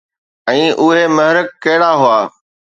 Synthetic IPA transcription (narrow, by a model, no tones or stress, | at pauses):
ɛ̃ːʔʊɦemɐɦɪɾək̚ːɐɦɪɽaɦʊaː